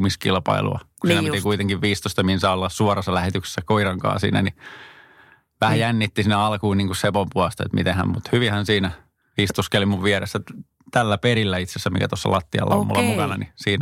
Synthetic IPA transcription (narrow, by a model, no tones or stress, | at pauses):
miskilpɑ̰ilṵɑ̰kusint̪ikuit̪eŋkiʋʋiːst̪ost̪ɑminsɑolːɑssuɑrɑsːɑlæhet̪ykse̥sːækoiɾɑŋkɑ̰ːsḭːnæni | ʋæhæjænːit̪ːisinːeɑlkuːniːŋkussepompuɑst̪ɑḛt̪mit̪ẽhæ̰mmut̪hyʋihænsiːnæ | iːst̪uskelimuʋʋieɾḛsːæ | t̪ælːæperilːæit̪sesːæmḭkæt̪osːɑ̰lʔɑt̪ːiɑ̰lːɑ̰o̰mṵlːɑmukɑnɑnisiːnæ